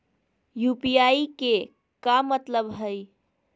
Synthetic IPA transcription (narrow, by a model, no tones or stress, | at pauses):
jupiaike | kamət̪ləbɦəj